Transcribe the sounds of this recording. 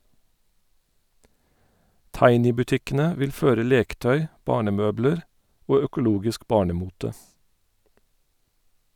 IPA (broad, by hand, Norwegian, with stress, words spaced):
ˈtɑɪnɪbʉˌtɪkənə ˈʋɪl ˈføːɾə ˈleːkəˌtœʏ ˈbɑːɳəˌmøːbləɹ ˈʔoː œkʊˈluːɡɪsk ˈbɑːɳəˌmuːtə